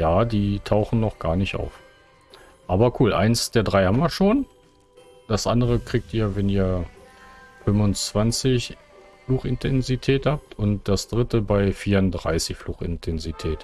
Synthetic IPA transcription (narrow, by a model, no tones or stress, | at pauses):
jaːdiːtʰaʊxn̩nɔχɡ̥aːɐnɪçta̰ʊf | ʔaːbɐkʰuːlʔa̰ɪnsd̥eːɐdʁaɪhamviːɐʃoːn | d̥asʔa̰ndəʁ̞əkʁ̥iːk̚tiːɐvɛniːɐ | fʏmvʊnt͡sv̥ant͡sɪç | fluːxɪntʰɛnzitʰɛːthaːp̚tʰʊntd̥asd̥ʁɪtəbaɪfiːndʁa̰ɪsɪçfluːxɪ̰ntʰɛnzitʰɛːt